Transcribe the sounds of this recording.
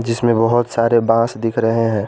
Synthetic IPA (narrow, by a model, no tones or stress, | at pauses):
d͡ʒɪsmẽbɐɦʊt̪saːɾebãːsd̪ɪkʰɾɐɦeɦɛ̃ː